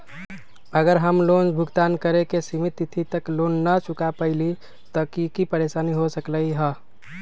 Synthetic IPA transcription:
əɡəɾɦəmlond͡ʒbʱuɡt̪ankəɾekesimit̪it̪ʰit̪əklonːət͡ʃukapəɪli | t̪ɔkikipəɾesaniɦosəkləiɦə

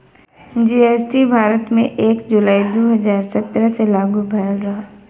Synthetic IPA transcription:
d͡ʒiːeːsʈibʱaːɾət̪mẽʔeːkd͡ʒulaːid̪oːɦɐzaːɾsɐt̪ːɾəselaːɡubʱɐɾəlɾɐɦaː

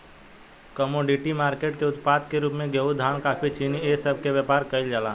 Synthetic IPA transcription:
kəmoːɖiʈimaːɾkeːʈkeʊt̪paːd̪keɾuːpmẽɡjəud̪ʱaːɳ̃kaːpʰit͡ʃinieːsəbʱkeʋjəpaːɾkəɪld͡ʒaːlaː

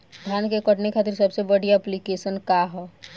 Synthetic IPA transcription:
d̪ʱjaːnkekəʈnekʰaːt̪iɾsɐbsebəɽijaɛplikeːʃənkaɦoː

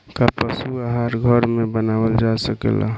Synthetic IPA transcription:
kapəsuaɦaɾɡʱəɾmebənawəld͡ʒasəkḛla̰

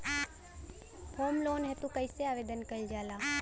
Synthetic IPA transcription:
hoːmloːnɦɛt̪ũkəiseaːʋeːd̪ənkəild͡ʒaːlaː

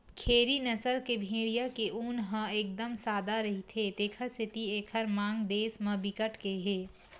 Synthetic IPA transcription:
kʰeːɾinɐsəɾkebʱĩːɽijakeʔuːnɦə̃eːk̚d̪əmsaːd̪aɾɐɦit̪ʰet̪eːkʰəɾsɪt̪ieːkʰəɾmãːŋɡd̪eːsmɐbɪkəʈʰkeɦeː

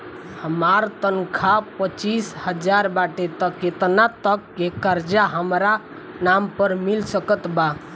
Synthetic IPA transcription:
həmaɾt̪ənkʰapət͡ʃishəd͡ʒaɾbaʈet̪əket̪nat̪əkːekəɾd͡ʒaɦəmɾa | nampəɾmilsəkət̪ba

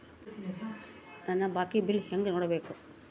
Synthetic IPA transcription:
nɐnːɐbaːkibɪlheŋɡɐnoːɽɐbeːku

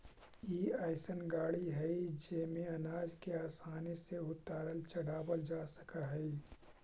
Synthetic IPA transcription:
iːaːɪsənɡaːɽiɦɛid͡ʒeːmẽɐnaːd͡ʒkeaːsaːniseʊt̪aːɾəlt͡ʃɐɽ̤aːbəld͡ʒaːsə̥kaɦɛi

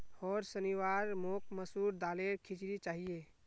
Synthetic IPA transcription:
ɔːɾsəniʋaɾmok̚ʰməsuɾd̪aːleɾkʰit͡ʃɾit͡ʃaːɦie

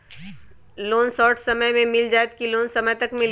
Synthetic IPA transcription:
loːnsɔːʈsɐməmẽmɪld͡ʒaːet̪kiloːnsɐməjt̪ɐkmɪl

